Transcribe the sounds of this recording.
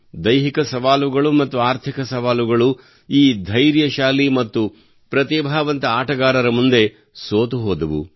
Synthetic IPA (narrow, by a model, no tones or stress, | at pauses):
d̪ɐjɦikɐsɐʋaːluɡɐɭumɐt̪ːuaːɾt̪ʰikɐsɐʋaːluɡɐɭu | iːd̪ʱɐjɾjɐʃaːlimɐt̪ːu | pɾɐt̪iːbʱaːʋɐnt̪ɐaːʈɐɡaːɾɐɾɐmund̪e̞ | soːt̪uɦoːd̪ɐʋṵ